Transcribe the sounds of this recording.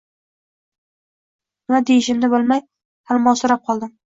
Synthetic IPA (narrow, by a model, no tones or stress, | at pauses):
mɪnad̪ejɪʃɪmnɪbolˠmaj | t̪ʰalˠmɒnsʊɾap̚qʰɒlˠd̪ɪm